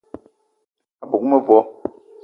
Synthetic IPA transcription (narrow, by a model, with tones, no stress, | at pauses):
a˨bo˨ku˦mɛ˦vɔ˦